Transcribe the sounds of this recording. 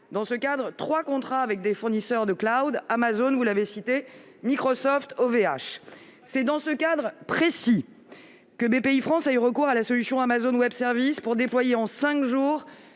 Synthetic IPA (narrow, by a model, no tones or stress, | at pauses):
d̪ɑ̃səkad̪ʁət̪χwakɔ̃t̪χaːvɛk̚d̪efuʁnisœʁd̪əklawd̪amazonvulavesit̪e | mikχɔsɔft̪ovea̰ʃ | sɛd̪ɑ̃səkad̪ʁəpχesi | kəbepeifχɑ̃sayʁəkuʁalasɔlysjɔ̃amazonwɛbsɛʁvispuʁd̪eplwajeɑ̃sɛ̃kʒuːʁ